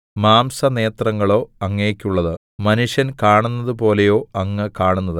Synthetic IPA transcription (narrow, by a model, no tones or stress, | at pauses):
maːmsɐne̞ːt̪rɐŋːɐɭo̞ːɐŋːeːkʲːuɭːɐðɨ | mɐnuʂjɐnkaːɳunːɐðɨpo̞ːle̞jo̞ːɐŋːɨkaːɳunːɐðɨ